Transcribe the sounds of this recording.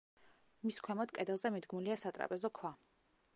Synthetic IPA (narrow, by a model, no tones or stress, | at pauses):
miskʰwɛmɔd̪kʼɛd̪ɛlˠzɛmid̪ɡmuliasat̪ʼɾa̰pʼɛzɔkʰwa